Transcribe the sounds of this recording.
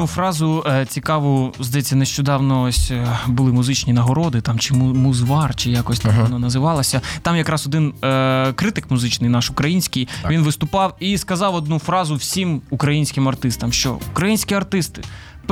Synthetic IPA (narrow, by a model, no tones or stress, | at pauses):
nufɾɑzʊt͡sʲikɑʋʊzd̪ɐjɛt͡sʲːɐneʃt͡ʃɔd̪ɑwnɔɔsʲbʊlˠɪmʊzɪt͡ʃnʲinɐɦɔɾɔd̪ɪt̪ɑmt͡ʃɪmmuzʋɑrt͡ʃɪjɑkɔsʲt̪ɑmɔnɔnɐzɪʋɑlˠɐsʲɐt̪ɑmjɐkɾɑsɔd̪ɪnkɾɪt̪ɪkmʊzɪt͡ʃnɪjnɑʃʊkɾɐjinʲsʲkɪjʋʲinʋɪst̪ʊpɑwiskɐzɑwɔd̪nufɾɑzʊwsʲimukɾɐjinʲsʲkɪmɐrt̪ɪst̪ɐmʃt͡ʃɔ̰ukɾɐjinʲsʲkʲiɐrt̪ɪst̪ɪ̥